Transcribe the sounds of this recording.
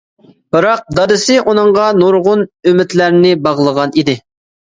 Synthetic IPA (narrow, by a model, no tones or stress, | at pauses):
b̥ɨɾɑq̚d̪ɑd̪ɨsɨʔunɨɴʁɑnuɾʁʊnymɪt̪læɾnɪbɑʁlˠəʁɑnid̪ɪ